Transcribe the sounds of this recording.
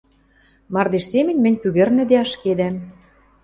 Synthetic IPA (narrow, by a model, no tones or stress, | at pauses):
mɑrd̪eʃsemɘ̆nʲmɘ̆nʲpyɣɘ̆rnɘ̆d̪eɑʃked̪æm